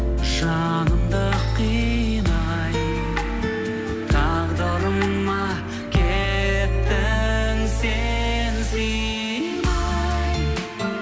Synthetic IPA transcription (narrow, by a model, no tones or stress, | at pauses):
ʒɑ | ɴəmd̪əqʰːinɑ | j | t̪ʰɑʁd̪ɑɾəmːɑ | kʲʰet̪t̪ːɪnsensi | nɑj